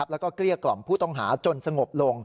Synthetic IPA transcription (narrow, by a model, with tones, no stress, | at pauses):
p̚lɛ˦˥wkɔː˥˩kli˥˩əklɔ˨˩mpʰuː˥˩t̪ɔ˥˩ŋɦa̰ː˩˦t͡ɕo˧nsa˧ŋo˨˩p̚lo˧ŋ